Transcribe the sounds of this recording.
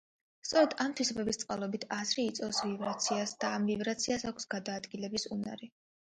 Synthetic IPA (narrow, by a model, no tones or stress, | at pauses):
st̪sʼɔɾɛd̪amt̪ʰwisɔbɛbist̪sʼqʼalˠɔbit̪ʰazɾiːt̪sʼɔvsvivɾat̪sʰiasd̪̥aːmvivɾat̪sʰiasakʷʰsɡ̥ad̪aːd̪ɡilɛbisuna̰ɾi